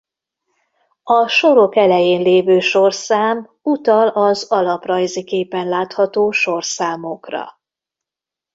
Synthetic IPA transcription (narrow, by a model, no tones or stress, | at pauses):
ɒʃo̞ɾo̞kɛlɛjeːnleːvøːʃorsaːm | ut̪ɒlɒzɒlɒprɒjzikeːpɛnlaːt̪hɒt̪oːʃo̞rsaːmokrɒ̰